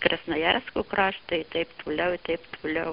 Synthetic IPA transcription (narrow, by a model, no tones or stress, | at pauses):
kɾʲɛsnɐjærʲskuːkrɑːʃt̪ɐɪɪt̪ɐɪpt̪uːlʲɛʊɪt̪ɐɪpt̪ulʲɛʊ